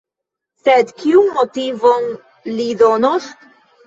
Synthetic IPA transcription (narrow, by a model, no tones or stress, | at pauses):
sed̪kiunmotivon | lidonos